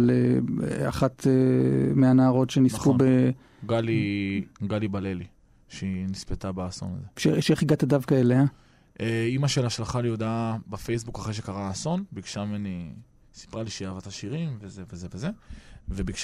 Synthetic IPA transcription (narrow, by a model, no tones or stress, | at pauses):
lea̰χat̪emeanaaʁo̞tʃenispube | ɡaliɡalibaleli | ʃnispet̪abaːso̞̰na̰zeʃeʃeχiɡat̪adavkaelea | ʔeimaʃelaʃlaχaljod̪abefejsbukaχʁeʃekaʁaːso̞nbiɡʃameni | si̥pʁaliʃejaːvat̪aʃiʁimvezevezeveze̞vebiɡʃ